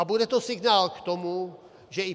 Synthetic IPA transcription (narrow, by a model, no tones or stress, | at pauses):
abudɛt̪osɪɡnaːlkt̪omu | ʒɛɪ